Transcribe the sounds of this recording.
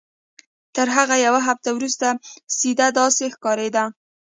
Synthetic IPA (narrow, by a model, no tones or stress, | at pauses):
t̪əɾɦaɣajawaɦaft̪awɾust̪asid̪ad̪ɑsexkɑɾed̪a